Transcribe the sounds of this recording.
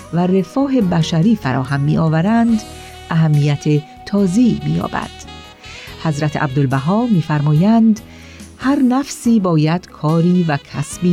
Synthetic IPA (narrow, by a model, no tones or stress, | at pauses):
være̞fɒːɦe̞bæʃæɾiːfæɾɒ̰ːɦæmːiːʔɒːvæɾænd̪ | ʔæɦæmːijæt̪ʰe | t̪ʰɒːzemḭːjɒ̰ːbæ̰d̪̥ | hæzɾæt̪ʰeʔæ̰bd̪olbæɦɒːmiːfæɾmɒːjænd̪ | hæɾnæfsiːbɒːjæd̪̥kʰɒːɾiːvækʰæsbiː